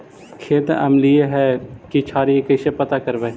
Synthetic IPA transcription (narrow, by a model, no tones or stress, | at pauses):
kʰeːt̪ɐ̰mlieɦɛːkit͡ʃʰaːɾiekəʃepət̪akəɾʋeː